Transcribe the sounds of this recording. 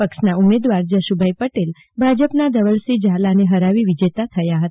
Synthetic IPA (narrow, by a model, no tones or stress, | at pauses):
əkʃnaumed̪ʋaɾd͡ʒəʃubʱəipəʈel | bʱad͡ʒəpnad̪əʋəɭsid͡ʒalaneɦəɾaʋiʋid͡ʒet̪at̪ʰəjaɦət̪a